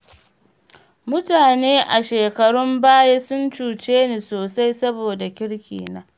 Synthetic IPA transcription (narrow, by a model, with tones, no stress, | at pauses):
mʊ˦taː˨neː˦ʔa˨ʃeː˨kɐ˨ɽʊ˦mbaː˦jeː˦sʊ˦nt͡ʃuː˨t͡ʃeː˦niː˨soː˨sa˦jsɐ˦boː˨da˨kʲɪ˦ɽkʲʰḭː˨naː˦